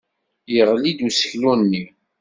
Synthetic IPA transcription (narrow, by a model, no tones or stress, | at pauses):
jəʁlid̪usə̥çlunːi